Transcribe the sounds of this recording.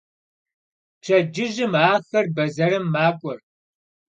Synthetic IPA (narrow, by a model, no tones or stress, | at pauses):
ʈ͡ʂʰɐd͡ʒɪʒɪmaːxɐrbɐzɐɾɨmːaːkʷʼɔr